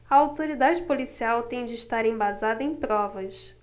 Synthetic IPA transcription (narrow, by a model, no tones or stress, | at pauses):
ɐawt̪oɾid̪ad͡ʒɪpolisiawt̪ẽj̃d͡ʒɪːʃt̪aɾẽj̃bazad̪ɐẽj̃pɾɔvɐs